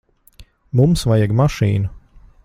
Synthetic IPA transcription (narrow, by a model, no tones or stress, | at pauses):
mumsvajaɡmaʃiːnu